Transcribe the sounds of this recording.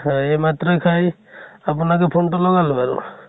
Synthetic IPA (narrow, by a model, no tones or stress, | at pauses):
emat̪ɾɔjkʰaj | apunakɔpʰonʈɔlɔɡalubaɹṵ